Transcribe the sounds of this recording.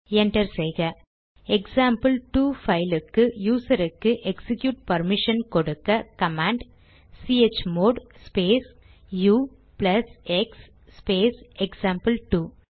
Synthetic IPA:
ɛɳɖɐɾsɛjɣɐ | ɛksaːmpɐlʈuːfɐɪlɯkːɯjuːsɐɾɯkːɯʔɛksɪkjuːʈ̚pɐɾmɪʂɐnkɔɽɯkːɐkɐmaːɳɖ | siːet͡ʃːmoːɖspeːs | juː | plɐsɛksː | peːsɛksaːmpɐlʈuː

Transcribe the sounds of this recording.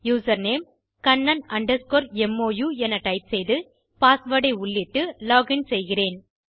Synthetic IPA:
juːsɐɾneːm | kɐɳːɐnɐɳɖɐskoːɾɛmːoːjuːɛnɐʈɐɪp̚sɛjðɯ | paːsʋɐɽɐɪʊɭːɪʈːɯloːɡɪnsɛjɣɪreːn

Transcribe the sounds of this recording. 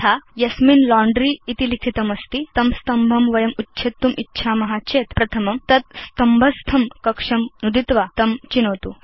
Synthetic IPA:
ajɐsminlɔɳɖɾiːt̪ilit̪ʰit̪ɐmɐst̪it̪ɐmst̪ɐmbʱɐmʋɐjɐmutːɕʰet̪ːumʔitːɕʰamɐɦat͡ɕeːt̪pɾɐt̪ʰɐmɐmt̪ɐt̪̚st̪ɐmbʱɐst̪ʰɐmkɐkʂɐmnud̪it̪ʋat̪ɐmt͡ɕinɐʋt̪u

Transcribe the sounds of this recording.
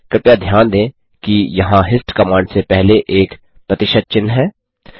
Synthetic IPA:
kɾɪpjad̪ʱjaːnd̪ẽː | kijɐɦãɦɪsʈkɐmãːɳɖsepɛɦleʔeːk | pɾɐt̪ɪʃəd̪̚t͡ʃɪnːɦɛː

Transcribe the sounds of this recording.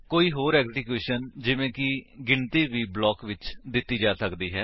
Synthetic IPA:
koːiːɦoːɾɛːkzɪkjuːʃənd͡ʒɪʋẽːkɪɡɪɳt̪iːʋiːblɔːkʋɪt͡ʃd̪ɪt̪ːiːd͡ʒaːsəkd̪iːɦɛː

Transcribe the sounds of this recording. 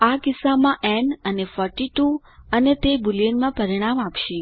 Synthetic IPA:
akɪsamãʔɛnənefɔɾʈiʈu | ənet̪ebulijənmãpəɾiɽ̃amapʃe

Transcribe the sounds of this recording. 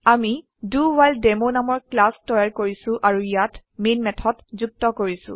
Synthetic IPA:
ami | duwaldemonamɔɹklastɔjaɹkoɹisʊ̃ʔaɹuijatmenmɛtʰɔtzuk̚tɔkoɹisʊ̰̃

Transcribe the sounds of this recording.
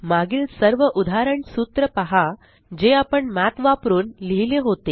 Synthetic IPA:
maɡiːlsəɾʋəʔud̪ʱaɾəɳsuːt̪ɾəpaɦa | d͡ʑeapəɳmat̪ʋapɾuːnliɦileɦot̪e

